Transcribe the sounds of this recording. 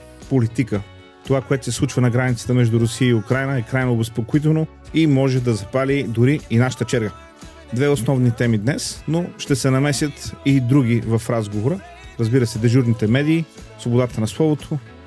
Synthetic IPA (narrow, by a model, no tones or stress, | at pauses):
polit̪ikə | t̪ovakoɛt̪o̥sɛslˠut͡ʃvənɐɡɾanʲit̪sə̥t̪əmɛʒd̪uɾʊsiəiʊkɾajnəɛkɾajnoːbɛspokoit̪̬ɛno | imɔʒɛd̪ɐzɐpalʲid̪ʊɾiːnaʃə̥t̪ət͡ʃɛɾɡə | d̪vɛosnɔvnit̪ɛmid̪nɛsnoʃt̪ɛsɛnɐmɛsʲjət̪id̪ɾuɡ̟ivɐfɾazɡovoɾə | ɾəzbiɾəsɛd̪ɛʒuɾnit̪ɛmɛd̪iː | svobod̪at̪ənɐslˠɔvot̪ʰo